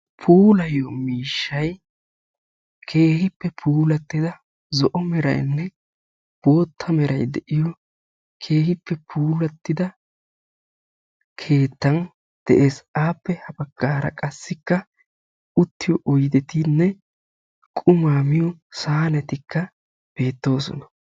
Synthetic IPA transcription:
pʰuːlɐjɔmiːʃːɐj | kʰe̞ːhɪpːɛpʰuːlɐt̪ːɪd̪ɐ | zɔʔɔmɛɾɐ̰jnːɛ | b̥o̞ːt̪ʰːɐmɛɾɐ̰jd̪ɛʔɪjɔ | kʰe̞ːhɪpːɛpʰuːlɐt̪ːɪd̪ɐ | kʰe̞ːt̪ːɐn | d̪̥ɛʔe̞ːsaːpːɛhɐbɐɡ̥ːaːɾɐ̰kʼɐsːɪkːɐ | ʊt̪ːɪjɔʔɔjd̪ɛt̪ɪnːɛ | kʼʊmaːmɪjɔsaːnɛt̪ɪkːɐ | b̥e̞ːt̪ːo̞ːsɔ̰nɐ̥

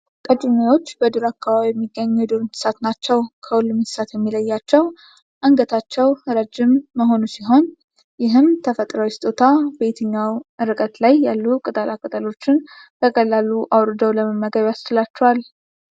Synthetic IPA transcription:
k̪ʼət͡ʃʼumewo̞t͡ʃːbəd̪uɾakʰːaβaβijɛmːiɡːəɲːjɛd̪uɾɨnt̪ʰɨ̥sat̪nat͡ʃːɛwkʰəwʊlːumɨt̪ɨ̥sat̪jɛmːiləjːat͡ʃːɛw | ʔəŋɡət̪ʰat͡ʃːɛwɾəd͡ʒɪmːəɦo̞nusiɦo̞n | jɪɦɨmt̪ʰəfət̪ʼɾəwɪst̪ʼot̪ʰabe̞t̪ʰɨɲːawɨɾɨkʼət̪lajːalːukʼɨt̪ʼəlakʼət̪ʼəlo̞t͡ʃːɪnb̥əkʼəlːaluʔawɾɨd̪əwləməmːəɡəβjast͡ʃɨlat͡ʃːɛwal

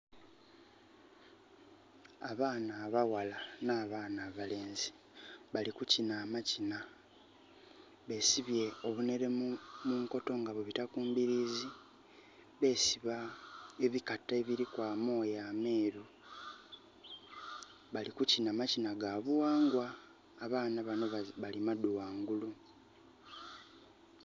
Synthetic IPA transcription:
aβaːnaːβawalanaːβaːnaːβale̞ːnzi | βalikucinaːmacina | βe̞ːsiβje̞o̞βune̞ɾe̞muːŋko̞to̞ŋɡaβoβitakuːmbiɾiːzi | βe̞ːsiβae̞βikatːeβiɾikwaːmo̞ːjaːme̞ːɾu | βalikucinaːmacinaɡaβuwaːŋɡwaː | βaːnaβano̞ββalimaduwaːŋɡulu

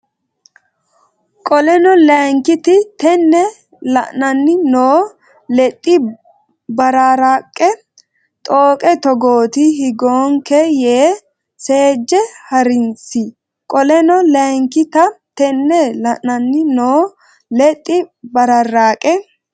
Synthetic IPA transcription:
kʼɔlɛnɔlɛŋkɪt̪ɪt̪ɛnːɛ | lɐ̰ʔnɐnːɪnoː | lɛt̪ʼːɪ | bɐɾaɾakʼːɛ | t̪ʼoːkʼɛt̪ɔɡoːt̪ɪɦɪɡoːŋkɛjeː | seːd͡ʒːɛhɐɾɪnsɪ | kʼɔlɛnɔlɛŋkɪt̪ɐt̪ɛnːɛlɐʔnɐnːɪnoː | lɛt̪ʼːɪbɐɾɐrːaːkʼɛ

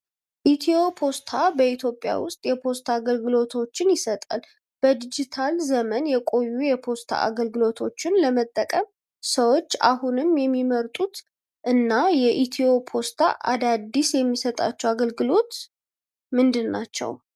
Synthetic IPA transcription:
ʔit̪ʰio̞pʰo̞st̪ʰabəit̪ʰjopʼːja̰wʊst̪ʼjɛpʰo̞st̪ʰaːɡəlɡɨlo̞t̪ʰo̞t͡ʃːɪnjɪsət̪ʼa̰l | b̥əd̪id͡ʒit̪ʰalzəmənjɛkʼo̞jːujɛpʰo̞st̪ʰa̰a̰ɡəlɡɨlo̞t̪ʰo̞t͡ʃːɪnləmət̪ʼːəkʼəm | səwo̞t͡ʃːa̰hunɨmjɛmːiməɾt̪ʼut̪ | ʔɨnːajɛʔit̪ʰio̞pʰo̞st̪ʰa̰ʔa̰d̪ad̪isjɛmːisət̪ʼa̰t͡ʃːɛwaɡəlɡɨlo̞t̪ | mɨnd̪ɨnːat͡ʃːɛ̰w

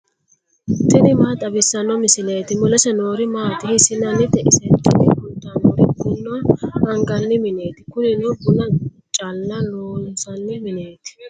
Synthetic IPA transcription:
t̪ɪnɪmaːt̪ʼɐbɪsːɐnːɔmɪsɪleːt̪ɪmʊlɛsɛnoːɾɪmaːt̪ɪhɪsɪnɐnːɪt̪ɛʔɪsɛt̪ːɪnɪkʊd̪ːanoːɾɪɡʊnːɔɐŋɡɐnːɪmɪneːt̪ɪkʊnɪnɔbʊlɐ | t͡ʃʼalːɐloːsɐnːɪmɪne̞ːt̪ɪ̥

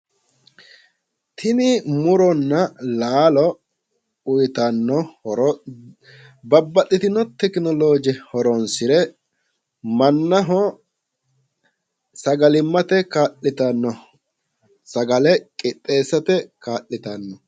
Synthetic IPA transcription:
t̪ʰɪnɪmʊɾɔnːɐlaːlɔ | ʊjt̪ɐnːɔhɔɾɔ | bɐbːɐtːɪt̪ɪnːɔt̪ɛknɔlo̞ːd͡ʒɛhɔɾɔnsɪɾɛ | mɐnːɐɦɔ | sɐɡɐlɪmːɐt̪ɛkaːlːɪt̪ɐnːɔ | sɐɡɐlɛkʼɪt̪ʼːe̞ːsːɐt̪ɛkaːʔːɪt̪ɐnːɔ

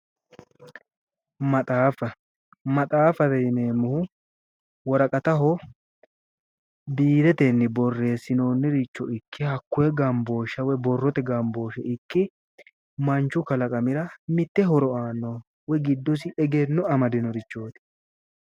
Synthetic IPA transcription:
mɐt̪ʼaːfɐ | mɐt̪ʼaːfɐd̪ɛjneːmːʊhʊ | wɔɾɐkʼɐt̪ɐɦɔ | biːɾɛt̪ɛnːɪbɔrːe̞ːsːɪnoːnːɪɾɪt͡ʃːɔʔɪkːɪhɐkːʊɛɡɐmbo̞ːʃɐwɛbɔrːɔt̪ɛɡɐmbo̞ːʃɛʔɪkːɪ | mɐnt͡ʃːʊkɐlɐkʼɐmɪɾɐmɪt̪ːɛɦɔɾɔaːnːɔ | wɛɡɪd̪ːɔs̬ɪʔɛɡenːɔɐmɐd̪ɪnɔɾɪt͡ʃːo̞ːt̪ɪ̥

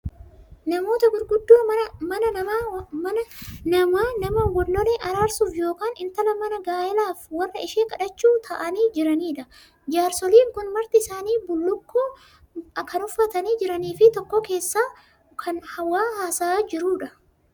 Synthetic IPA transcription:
nɐmo̞ːt̪ɐɡʊɾɡʊd̪ːoːmɐnɐnɐamɐnɐnɐmaːnɐmɐɡɔlːɔleʔɐɾaːɾsuːfjo̞ːkaːnɪnt̪ɐlɐmɐnɐɡaːjɛlaːfwɐrːɐɪʃeːkʼɐᶑɐt͡ʃːuːt̪ʰɐʔɐniːd͡ʒɪɾɐniːᶑɐ | d͡ʒaːɾsɔliːŋkʊnmɐɾt̪ɪɪsaːniːbʊlːʊkʰːoː | kʰɐnʊfːɐt̪ɐniːd͡ʒɪɾɐniːfɪt̪ɔkːɔke̞ːsːaː | kʰɐnhɐwːaːɦaːsaːd͡ʒɪɾuːᶑɐ

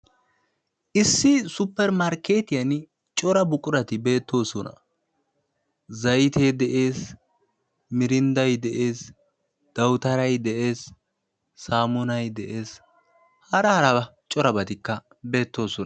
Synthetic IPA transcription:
ʔɪsːɪsʊpːɛɾmɐɾke̞ːt̪ɪjɐn | t͡ʃʼɔɾɐbʊkʼʊɾɐt̪ɪbe̞ːt̪ːo̞ːsɔnɐ̰ | zɐjt̪ʰeːd̪ɛʔe̞ːs | mɪɾɪnd̪ɐjd̪ɛʔeːs | d̪̥ɐwʊt̪ɐɾɐjd̪ɛʔe̞ːsː | aːmɔnɐjd̪ɛʔe̞ːs | hɐɾɐhɐɾɐbɐ | t͡ʃʼɔɾɐbɐt̪ɪkːɐ | be̞ːt̪ːo̞ːsɔnɐ

